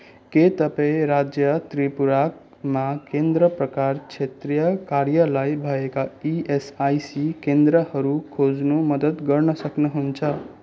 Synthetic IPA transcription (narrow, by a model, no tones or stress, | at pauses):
ket̪ʌpaẽɾad͡zjʌt̪ɾipuɾak̚ | makend̪ɾəpɾʌkaɾt͡ʃʰet̪ɾijʌkaɾjʌlajbʱʌekaiesajsikend̪ɾʌhʌɾukʰod͡znomʌd̪ət̪ɡʌɾnʌsʌknʌɦunt͡sʰʌ